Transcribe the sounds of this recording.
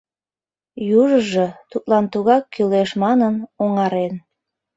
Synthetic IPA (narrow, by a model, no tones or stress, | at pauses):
juʒəʒɤt̪ut̪lɑnt̪uɣɑkːyleʃmɑnənoŋɑɾen